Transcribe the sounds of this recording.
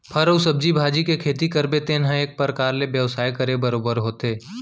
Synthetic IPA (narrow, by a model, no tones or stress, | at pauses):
pʰɐɾəʊsəb̚d͡ʒibʱaːd͡ʒikekʰeːt̪ikəɾbet̪eːnɦə̃eːk̚pɾəkaːɾlebjəʋsaːjkɐɾebɐɾoːbəɾɦoːt̪eː